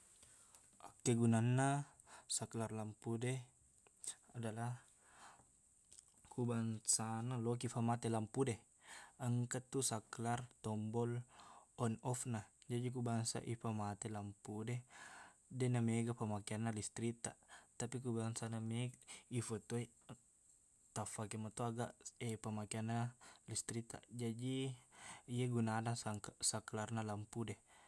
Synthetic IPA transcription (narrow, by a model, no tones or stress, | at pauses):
ʔakːeɡunanːa | saklarlampude | adala | kubaŋsanalok̬ifamat̪elampude | əŋkat̪ːusaklart̪ɔmbɔlɔnɔfnad͡ʒadik̬ubaŋsa̰ʔifamat̪elampude | dɛnameɡapamakianːalist̪ɾit̪at̪apikubaŋsanameifot̪oi | t̪afakemat̪oaɡaʔepamakianːalist̪ɾit̪a̰d͡ʒadi | ieɡunanaŋsaklarnalampude